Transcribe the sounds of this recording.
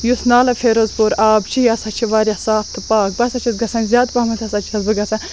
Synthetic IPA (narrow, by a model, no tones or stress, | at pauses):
jusnaːlɐfʰeːɾozpoɾaːbt͡ʃʰijɐsɐt͡ʃʰiʋaːɾʲjasaːft̪ʰɨpaːk̚bɐsɐt͡ʃʰisɡɐsɐ̃ːnʲzʲjaːd̪pɐːmɐt̪ʰɐsɐt͡ʃʰiɐzbɨɡɐsɐ̃n